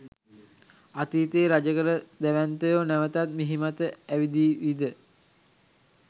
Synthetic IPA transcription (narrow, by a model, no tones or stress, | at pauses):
at̪iːt̪eːɾad͡ʒəkəɾəd̪æʋænt̪əjoːnæʋət̪at̪̚miɦimat̪əæʋid̪iːʋid̪ə